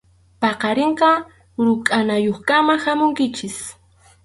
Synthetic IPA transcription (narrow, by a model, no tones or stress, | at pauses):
pɑqɑɾeɴqɑ | ɾʊkʼanajoχkamahamʊŋkɪt͡ʃɪs